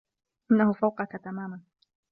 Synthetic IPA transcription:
ʔɪnːahʊfawqɑkat̪amaːman

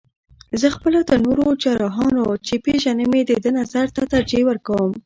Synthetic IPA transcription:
zəxpəlad̪ənoɾot͡ʃɑɾɑɦɑnot͡ʃepeʒanəmed̪əd̪ənazaɾt̪at̪aɾd͡ʒewəɾkawəm

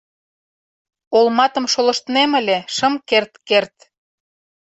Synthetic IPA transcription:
olmɑt̪ə̆mʃolɤ̆ʃt̪nemə̆lʲeʃə̆mkert̪kert̪

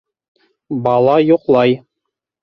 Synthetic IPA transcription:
bɑlˠɑjuqlˠɑj

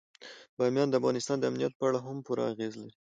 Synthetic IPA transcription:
bɑmjɑnd̪əafɣɑnɪst̪ɑnd̪əamnijat̪̚pəaɽaɦampuɾa̰aɣezlaɾi

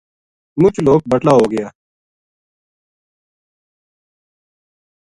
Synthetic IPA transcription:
mʊt͡ʃloːk̚bəʈlaːɦoːɡɪjaː

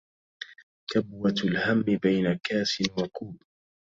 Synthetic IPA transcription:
kabwalhamːɪbajnakaːsɪnwakuːb

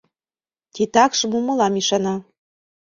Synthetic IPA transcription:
t̪ʲit̪ɑkʃmumɤ̆lɑmiʃɑnɑ

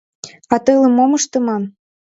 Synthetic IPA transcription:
ɑt̪ɤlɤ̆momɤʃt̪ɤ̆mɑn

